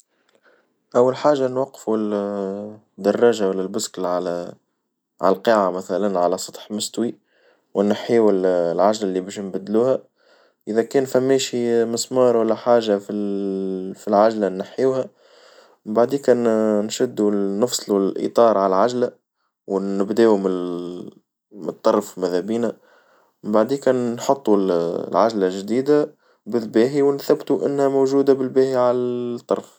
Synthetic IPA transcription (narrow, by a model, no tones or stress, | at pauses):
ʔæwːalħaːʒːanwɑqːful | d̪ːɑrˤːɑːʒawælːælbʊsklʕal | ʕa̰lqiʕamæθælænʕalæsˤɑ̥t̪ˤħmʊst̪wi | wɪnːaħiwɪllʕaʒlælːibɛʃnbæd̪luːhæ | ʔɪðækɛːnfæmːeːʃiməsmɑːɾˤwælːæħaːʒafi | filʕaʒlænːaħiːhæ | mɪmbaʕd̪iːkæːnnʃɪd̪ːunːɨfsˤlulʔḭt̪ˤɑːɾˤʕalʕaʒlæ | wnɪbd̪eːm | mt̪ˤːɑɾˤfmæðhæbiːnæ | mmbaʕd̪iːkæːnːħɑt̪ˤːullʕaʒlæʒd̪iːd̪a | bɪlbɛːɦiwnθæbt̪uʔɪ̰nːhæmoʒuːd̪abɪlbæːhiʕalæt̪ˤːɑ̰ɾˤf